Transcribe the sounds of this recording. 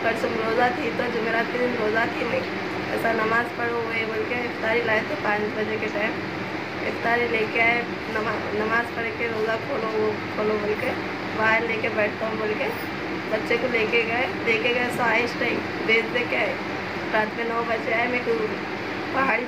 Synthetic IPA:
kəɾsəmɾoːzat̪ʰit̪od͡ʒʊmeːɾaːt̪̚kəd̪inɾoːzat̪ʰiməĩ | ɛ̰ːsanɐmaːzpəɽoeboːlkeɪk̚t̪aːɾilaːet̪opaːɾisbəd͡ʒekeʈaːjm | ḛkt̪aːɾileːkeaːe | nma | nɐmaːzpəɽekeɾoːzakʰoːlokʰoːlobolke | baːɾleːkebɛːʈʰt̪aɦõbolke | bətːʃekoleːkeɡəeleːkeɡəesaːisʈaːim | beːd͡ʒd̪eːkeaːe | ɾaːt̪ʰmenɔbət͡ʃeaːemek | pɐɦaːɽi

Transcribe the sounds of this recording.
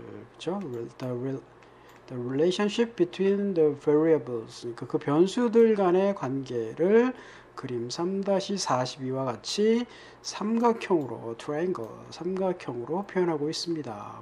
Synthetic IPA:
kɯt͡ɕʰod | d̪ʌɾileɕʰʌnɕʰip̚bitʰwindʌveɾiabɯɭsɯɲik͈akɯpjʌnsʰudɯɭɡane̞kwanɡe̞ɾɯɭ | kɯɾimsʰamdaɕʰis͈ʰaɕʰibiwaɡat͡ɕʰi | sʰamɡakʰjʌŋɯɾo̰tʰɾaiŋɡʌ̰sʰamɡakʰjʌŋɯɾopʰjojʌnɦaɡois͈ɯmɲida̰

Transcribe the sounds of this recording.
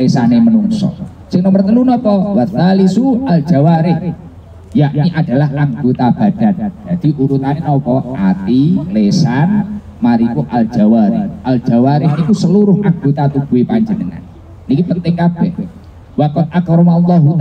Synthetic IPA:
lesanemənuŋsɔ̰ | sɪŋnɔmərt̪əlunɔpɔwat̪ːalisual̥d͡ʒ̥awaɾɪh | jaʔniʔad̥a̤lahaŋɡot̪ab̥a̤d̥a̤nd͡ʒ̥ad̪̥i̤ʔuɾut̪anenɔpɔʔat̪ilesan | maɾikuʔald͡ʒ̥awaɾɪ̰hʔal̥d͡ʒ̥awaɾɪɦikusəluɾʊɦʔaŋɡot̪at̪ub̥uipaɲd͡ʒənəŋa̰n | nikipənt̪ɪŋkab̥ɛh | wakʊt̪̚ʔakɾmalːɔɦu

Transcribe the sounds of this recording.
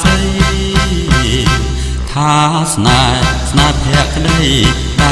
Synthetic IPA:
əj | t̪ʰaːsnasnaːjp̪ʰɛəʔkʰɗəj | ɓa

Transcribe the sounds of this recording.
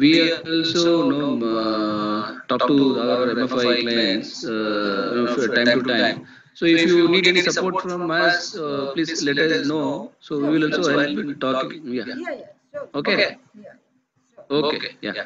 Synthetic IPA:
ʋiːɛɾɔlsono | ʈɔːp̚ʈuaeʋəɾẽmefaɪklaə̃ns | noʈãɪmʈuʈãɪ̃m | soɪfjuniːɖenisɐpoːɾʈfɾɔ̃məspliːzlɛʈəsnosoʋiʋɪlɔːlsoɛlnʈɔkja | oke | oːkḛkja̰

